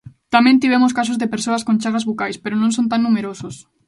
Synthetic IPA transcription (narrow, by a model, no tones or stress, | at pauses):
t̪amẽnt̪iβ̞emoskas̬ozðepeɾsoaskõnt͡ʃaɣazβokajspeɾonõnsont̪aŋːumeɾosos